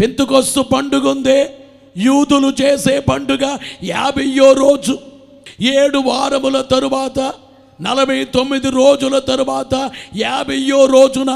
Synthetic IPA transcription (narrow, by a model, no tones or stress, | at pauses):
pint̪ukost̪upɐɳɖuɡund̪e̞ː | juːd̪ulut͡ʃe̞ːseːpɐɳɖuɡaːjaːbʱɐjːo̞ːɾo̞ːd͡ʒu | eːɽuʋaːɾɐmulɐt̪ɐɾuʋaːt̪ɐ | nɐlɐbʱɐjɐt̪o̞mːid̪iɾoːd͡ʒulɐt̪ɐɾuʋaːt̪ɐjaːbʱɐjːoːɾo̞ːd͡ʒunɐ